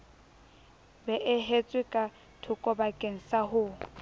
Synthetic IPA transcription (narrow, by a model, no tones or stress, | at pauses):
bɛʔɪɦet͡sʼwɪkʼa | tʰʊkʼɔbakʼeŋ̩saɦʊ